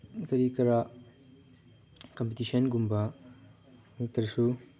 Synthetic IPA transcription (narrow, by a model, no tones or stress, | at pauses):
ɡɐɾikɐɾa | kɐmpitisɐnɡumbɐ | mik̚t̪ːɐɾsu